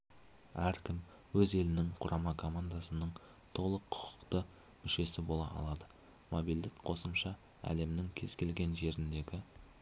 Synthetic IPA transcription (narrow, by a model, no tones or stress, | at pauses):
æɾkʲʰɪm | wɵze̞lɪnɪŋqʰʊɾʔɑmɑkʰo̞mand̪asənəɴ | t̪ʰo̞lˠəqʰːʊ̥qʰʊ̥qt̪ə | mʏʃe̞sɪbo̞lˠɑ̰ʔɑ̰lˠɑd̪ə | mo̞bild̪ɪkqʰo̞səmʃɑ | æ̰le̞mnɪŋkʲʰe̞z̥kʲʰe̞lɡʲe̞nʒe̞ɾɪnd̪e̞ɡʲɪ